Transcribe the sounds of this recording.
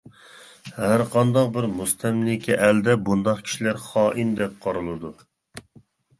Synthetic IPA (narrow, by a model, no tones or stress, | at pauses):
hæɾqʰɑnd̪ɑq̚bɪɾmust̪ʰɛmlɪkʲʰiʔæld̪ɛbund̪ɑqkʲʰi̥ʃilæɾχɑːʔind̪ɛp̚qʰɑɾɨlˠɨd̪u